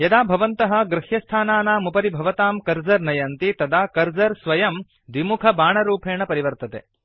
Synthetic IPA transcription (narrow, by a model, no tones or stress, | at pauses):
jɐd̪aːbʱɐʋɐnt̪ɐɦɐ̆ɡɾɪhjɐst̪ʰaːnaːnaːmupɐɾibʱɐʋɐt̪aːmkɐɾd͡ʒɐɾnɐjɐnt̪it̪ɐd̪ʱaːkɐɾd͡ʒɐɾsʋɐjɐm | d̪ʋimukʰɐbʱaːɳɐɾuːpʰeːɳɐpɐɾiʋɐɾt̪ɐt̪e